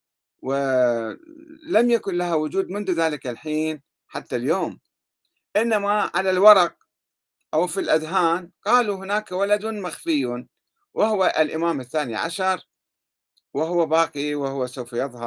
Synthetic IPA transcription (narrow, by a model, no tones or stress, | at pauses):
wɪ | lamjakʊnlaɦawʊd͡ʒuːd̪mʊnðuðaːlɪkalħiːn | ħat̪ːaljoːm | ʔɪnːamaʕalalwɑɾˤɑq̚ | ʔawfilʔad̪ɦaːnqɑːluɦɪnaːkawalad̪maxfɪjː | wɪhʊwaʔlʔɪmaːmɪθːaːnḭʕa̰ʃɑɾˤ | wɪɦʊwːabaːqiwɪhʊwːasawfajɨðˤhɑɾˤ